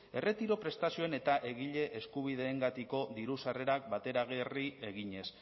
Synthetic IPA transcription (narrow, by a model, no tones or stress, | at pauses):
e̞re̞t̪iɾo̞pɾe̞st̪asio̞ene̞t̪aʔe̞ɣiʎe̞ʔeskuβ̞iðe̞ːŋɡat̪iko̞ðiɾusare̞ɾak̚bat̪e̞ɾaɣ̞erie̞ɣiɲe̞s